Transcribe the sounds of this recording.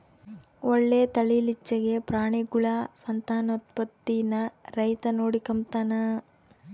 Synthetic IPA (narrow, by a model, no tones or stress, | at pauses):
oɭːeːt̪ɐɭilit͡ʃːɐɡe̞pɾaːɳiɡuɭasɐnt̪aːnɐut̪̚pɐt̪ːinɐɾɐjt̪ɐnoːɽikɐmt̪aːnɐ